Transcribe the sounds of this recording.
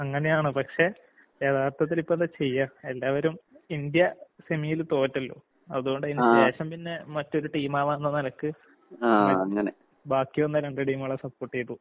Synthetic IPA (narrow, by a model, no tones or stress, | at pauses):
ɐŋːɐnejaːɳɨpɐkʂe̞ | eːt̪ʰaːrt̪ʰɐt̪ːilipːenɐt͡ɕe̞jːɐe̞lːaːʋɐɾumind̪jɐsemijilt̪o̞ːtːɐlːo̰ | ɐðuɣo̞ɳɖɐðinɨdeːɕɐmpinːe̞mɐtːo̞ɾuʈiːmaːʋaːnːɐnɐlɐkːɨ | aɐɐŋːɐne | baːkːjuʋɐnːɐɾeɳɖɐʈiːmuɭːɐsɐpːoːrʈːijɐʈ̪ːu